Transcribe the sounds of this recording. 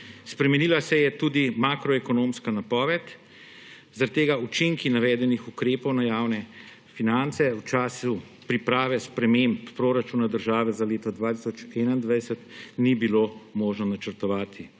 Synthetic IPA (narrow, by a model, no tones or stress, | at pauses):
spɾɛmɛnilasɛjɛt̪ud̪imakɾɔɛkɔnoːmskanapɔːʋɛt̪ | zaɾat̪ːeːɡaut͡ʃiŋkinaʋɛːd̪ɛnixukɾeːpɔwnajaːwnɛ | finant̪sɛuwt͡ʃaːsu | pɾipɾaːʋɛspɾɛmemppɾoːɾat͡ʃunad̪əɾʒaːʋɛzaleːt̪ɔd̪ʋaːt̪isɔt͡ʃɛːnaind̪ʋajsət̪nibiloːmoːʒnɔnat͡ʃəɾt̪ɔʋaːt̪ʰi